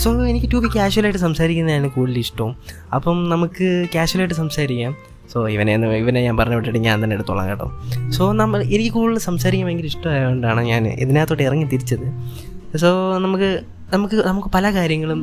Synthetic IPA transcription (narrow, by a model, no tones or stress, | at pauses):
soːenikʲːɨtuːpikʲːaːɕuɐlaːjʈːɨsɐmsaːɾikʲːunːɐɲaːnkuːɽiliʂʈɐm | ɐ̰pːɐmnɐmukːɨkʲaːɕuɐlaːjʈːɨsɐmsaːɾikʲːaːm | so̞ːiʋɐnenːɨiʋɐneɲaːnpɐrɐɲːɐpːɐʈːiʈːɨɲaːnt̪ɐneɽut̪ːo̰ɭːa̰ːŋɡɐ̰ɽɐ̰mso̞ːnɐmːɐɭenikʲːɨkuːɭilsɐmsaːɾikʲːɐmːeŋɡiliʂʈːɐmɐuɳɖaːɳɨɲaːnḛðinaːt̪ːoʈːirɐŋːit̪iɾit͡ɕːɐðɨ | soːnɐmukːɨ | nɐmukːɨnɐmukːɨpɐlɐkaːɾjɐŋːɐɭum